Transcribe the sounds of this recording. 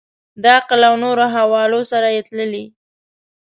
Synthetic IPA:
d̪əaqlawnoɾoɦawɑlosaɾajet̪ləli

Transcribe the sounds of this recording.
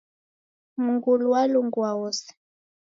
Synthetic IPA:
muŋɡuluwaluŋɡuawɔsɛ̥

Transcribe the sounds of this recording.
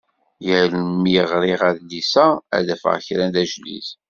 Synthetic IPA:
jəlmijəʁɾɪʁæðlisææ̰ðæfə̰ʁçɾænd̪æʒlḭθ

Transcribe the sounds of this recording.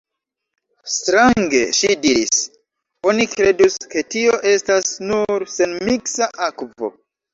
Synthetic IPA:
stɾaŋɡe̞̰ʃidiɾis | o̞nikɾe̞duske̞tio̞ʔe̞stasnuɾse̞nmiksaʔakvo̞̰

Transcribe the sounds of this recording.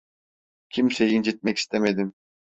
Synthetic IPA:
cʲʰimsejind͡ʒet̪̚mɛki̥st̪ʰemed̪im

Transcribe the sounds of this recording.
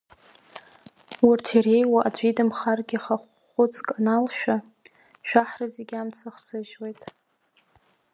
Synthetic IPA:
wʊrtʰire̞jwaʔad͡ʒʷidɨmχarɡʲɪχaχʷ | ʊt͡sʰʼkʼanalʃᶣa | ʃᶣaħrazeɡʲamt͡sʰaχsɨʒwejtʼ

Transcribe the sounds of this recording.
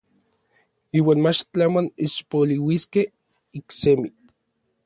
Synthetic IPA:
iːwaːnmat͡ʃt͡ɬamaniʃpoliwiskeh | iksemi

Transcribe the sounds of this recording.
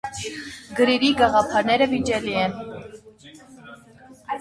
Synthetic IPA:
ɡəɾiɾiɡɑʁɑpʰɑɾnɛɾəvid͡ʒɛliɛn

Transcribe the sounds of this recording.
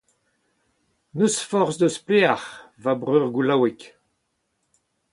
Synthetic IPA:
nøsfɔʁsd̪əspleaʁ | vabʁøːʁɡulawɛk

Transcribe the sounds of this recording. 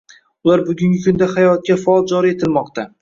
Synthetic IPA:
ʊlaɾbʊɡʲʊŋɡʲɪkʰʊnd̪ahajɒt̪̚kʲafaɒlˠd͡ʒɒɾie̞t̪ʰɪlmɒqt̪a

